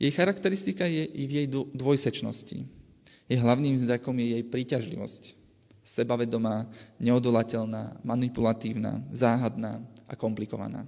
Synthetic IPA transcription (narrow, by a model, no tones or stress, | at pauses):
jɛjxaɾakt̪ɛɾist̪ikajɛvjɛj̪d̪ʋɔjsɛt͡ʃnɔ̰scḭ | jɛɦlaʊniːmzd̪akɔmjɛjɛjpɾiːcaʒlḭʋɔ̰sc | sɛbaʋɛd̪ɔmaːɲɛɔd̪ɔlacɛlnaːmanipulat̪iːʊna̰ːzaːɦad̪na̰ːʔa̰kɔmplikɔʋa̰na̰ː